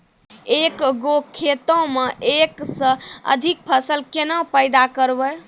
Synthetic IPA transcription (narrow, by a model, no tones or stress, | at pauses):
ekɡokʰːet̪õmeʔeksə̃ə̰d̪ʱik̚pʰəsəlkenə̃pəjd̪akəɾbə